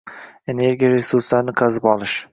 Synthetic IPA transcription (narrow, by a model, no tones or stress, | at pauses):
e̞ne̞ɾɡʲijaɾesuɾslaɾnɪqʰɑzɪpɒlˠɪʃ